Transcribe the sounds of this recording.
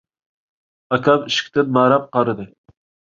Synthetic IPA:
ɑkʰʲɑmiʃkʲʰt̪ɪnmɑɾɑp̚qɑɾɨd̪ɨ

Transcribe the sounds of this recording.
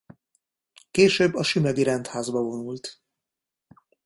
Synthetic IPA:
keːʃøːbːɒʃymɛɡiɾɛnt̪haːzbɒvo̞nult̪

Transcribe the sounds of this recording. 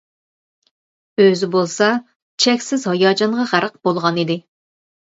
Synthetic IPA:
øzɪbolˠsɑ | t͡ʃʰɛkʲsɪzhɑjɑːd͡ʒɑɴʁɑʁæɾəq̚bolˠʁɑnid̪ɪ

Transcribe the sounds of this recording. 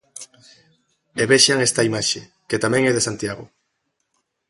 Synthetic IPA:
eβeʃaŋest̪aimaʃe | ket̪amɛ̃ŋɛðesant̪jaɣo̰

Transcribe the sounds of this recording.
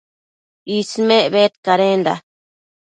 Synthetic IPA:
ismẽʔβet̪̚kaɾend̪a̰

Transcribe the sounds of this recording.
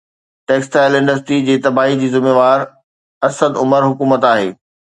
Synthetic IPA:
ʈeːksʈaːɪlɪ̃ɳɖəs̬ʈid͡ʑeːt̪ɐbaːɦid͡ʑiːzɪmeːʋaːɾ | ɐsəd̪ʊməɾɦʊkuːmət̪aːɦḛː

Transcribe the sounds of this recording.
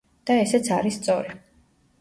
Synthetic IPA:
d̪̥aɛsɛt̪sʰaɾisːt̪sʼɔɾi

